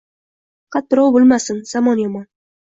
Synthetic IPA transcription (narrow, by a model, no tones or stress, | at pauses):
qʰɑt̪ːʊɾɒwbolˠmasɪnz̥amɒnjɒmɒn